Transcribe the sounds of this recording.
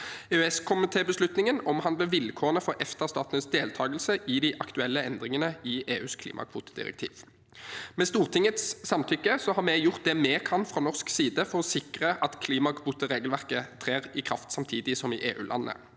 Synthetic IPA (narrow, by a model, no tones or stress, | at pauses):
øɛskʰʊmɪt̪ʰeːbəslʉt̪nɪŋənɔmɦɑnd̪ləʋɪlkʰoːʁənəfɔʁʔɛft̪əʁst̪ɑːt̪ənəsd̪eːlt̪ʰɑːɡəlsəʔɪd̪ɪʔɑkt̪ʉɛlːəɛnd̪ʁɪŋənəɪʔeːʉːskʰlḭːmɑ̰kʰʋṵːt̪ə̥d̪ɪ̰ʁɛ̰k̚t̪ʰḭːʋ | mɛst̪uːʁt̪ʰɪŋət̪sːɑmt̪ʰʏkːəsɔhɑʁmɛjʊʁt̪̚d̪ɛmeːkʰɑnfʁɑːnɔʁsksiːd̪əfɔʁɔsɪkʁəʔɑt̪kʰliːmɑkʰʋuːt̪əʁeːɡəlʋæʁkət̪ʰʁeːʁɪkʰʁɑft̪sɑmt̪ʰiːd̪ɪsɔmɪʔeːʔʉ̰ːlʔɑ̰nːə̰